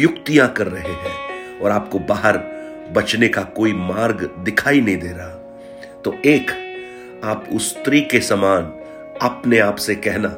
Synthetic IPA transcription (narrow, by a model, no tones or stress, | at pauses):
jʊkt̪ijãkɐɾːɐɦeɦɛ̃ːɔːɾaːp̚kobaːɦəɾ | bɐt͡ʃnekakoːimaːɾɡd̪ɪkʰaːinɐɦĩd̪eːɾaɦa | t̪oeːk | aːpʊst̪ɾikesɐmaːn | ɐpneaːpsekɛɦna